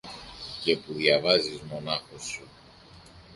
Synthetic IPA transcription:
ce̞puðjɐvɐzizmo̞nɐxo̞su

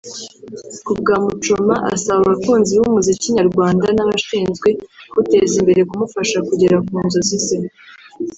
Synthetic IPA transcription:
kub̚ɡaːmut͡ʃomaʔa̰saβaaβakuːnziwumuziciɲaɾɡwaːndanaβaʃiːnzɡwe̞kute̞zimbe̞ɾe̞kumufaʃakuɟe̞ɾakuːnzozise

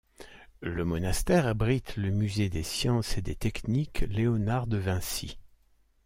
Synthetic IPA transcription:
ləmɔnast̪ɛʁabʁit̪ləmyzed̪esjɑ̃sed̪et̪ɛknikleɔnaʁd̪əvɛ̃sḭ

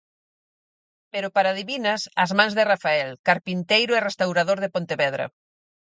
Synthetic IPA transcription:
peɾʊpaɾaðiβinɐsɐ̰zmãŋzðɪrafaɛlkaɾpint̪ejɾʊɛrest̪awɾaðoɾðepont̪eβɛð̞ɾɐ̰

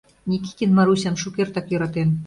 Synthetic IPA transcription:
nʲikʲi̥kʲinmɑɾusʲɑmʃukert̪ɑkjø̆ɾɑt̪en

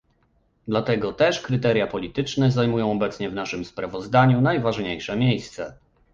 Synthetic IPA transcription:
d̪lat̪ɛɡɔt̪ɛʂkɾɘt̪ɛɾjapɔlʲit̪ɘt͡ʂnɛzajmujɔ̃w̃ɔbɛt̪sɲɛvnaʂɘmspɾavɔzd̪aɲunajvaʐɲejʂɛmʲjejst̪sɛ

